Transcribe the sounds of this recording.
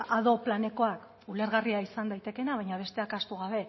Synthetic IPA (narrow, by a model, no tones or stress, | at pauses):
aðo̞plane̞ko̞ak | ule̞ɾɣ̞ariaisand̪ajt̪e̞ke̞naβ̞ajɲaβ̞e̞st̪e̞akast̪uɣaβe̞